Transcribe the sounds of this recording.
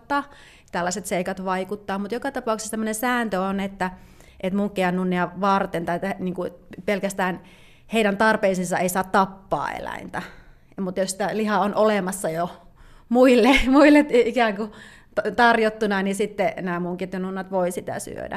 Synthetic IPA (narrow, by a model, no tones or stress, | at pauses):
t̪ːɑ | t̪ælːæset̪seikɑt̪ʋɑikut̪ːɑːmut̪jokɑt̪ɑpɑˑukse̥stæmːønesæːnt̪øonet̪ːæ | ʔet̪muŋkːiɑnnunːiɑʋɑrt̪ent̪ɑet̪ːæniːŋkupelkæst̪æːn | heiɾænt̪ɑrpeisinsɑeisɑːt̪t̪ɑpːɑ̰ːḛlæ̰int̪æ | mut̪jossit̪ælihɑonʔolemɑsːɑjo | muilːemuilːet̪ikæːŋku | t̪t̪ɑrjot̪ːunɑnisit̪ːenæːmuŋkiet̪jonunːɑt̪ʋoisit̪æ̰sy̰ø̰dæ̰